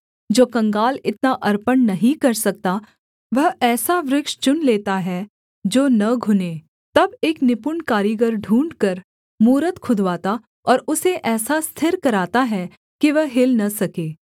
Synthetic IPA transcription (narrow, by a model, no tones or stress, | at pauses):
d͡ʒoːkɐ̃ŋɡaːlɪt̪naʔɐɾpənnɐɦĩkɐɾsɐk̚t̪a | ʋɐɦɛːsaʋɾɪkʃt͡ʃʊnleːt̪aɦɛ | d͡ʒoːnɐɡʱʊneː | t̪ɐbeːknɪpʊɳkaːɾiɡəɾɖʱũːɳɖkɐɾ | muːɾət̪kʰʊd̪ʱʋaːt̪a | ɔːɾʊseʔɛːsast̪ʰɪɾkɐɾaːt̪aɦɛ | kiʋəɦɦɪlnɐsɐkeː